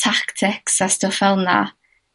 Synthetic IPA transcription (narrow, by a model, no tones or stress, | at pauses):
tʰaktʰɪksastɔfɛlˠna̰